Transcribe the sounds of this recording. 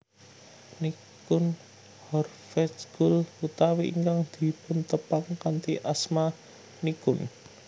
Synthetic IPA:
ni | kʊn | hɔr | fɛsɡ̥ʊlut̪awiʔḭŋkaŋd̪̥i̤pʊnt̪əpaŋkant̪iʔasma | nikʊn

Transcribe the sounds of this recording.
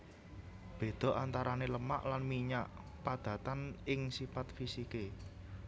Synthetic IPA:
b̥e̤d̪̥ɔ̤ʔant̪aɾaneləma̰ʔlanmiɲaʔ | pad̪̥ä̤t̪anɪŋsifat̪̚fisike

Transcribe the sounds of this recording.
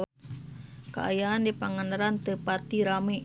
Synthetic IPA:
ka̰a̰jaɦandipaŋanaɾant̪ɨpat̪iɾame

